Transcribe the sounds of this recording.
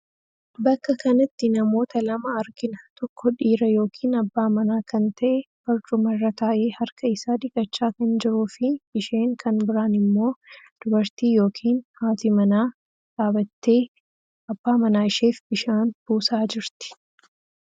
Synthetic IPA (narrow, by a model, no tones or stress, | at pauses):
bɐkːɐkɐnɐt̪ːɪnɐmo̞ːt̪ɐlɐmɐɐɾɡɪnɐt̪ɔkʰːɔᶑiːɾɐjo̞ːkʰiːnɐbːaːmɐnaːkɐnt̪ɐʔɛb̥ɐɾt͡ʃʼʊmɐrːɐk̪aːʔe̞ːhɐɾkʰɐɪsaːd̪ɪkʼːɐt͡ʃːaːkɐnd͡ʒɪɾuːfɪb̥ɪʃeːŋkʰɐnbɪɾaːnɪmːo̞ː | d̪̥ʊbɐɾt̪iːjo̞ːkʰiːnhaːt̪ɪmɐnaː | kʼaːbɐt̪ːe̞ː | ɐbːaːmɐnaːɪʃe̞ːfbɪʃaːnb̥uːsaːd͡ʒɪɾt̪ɪ̥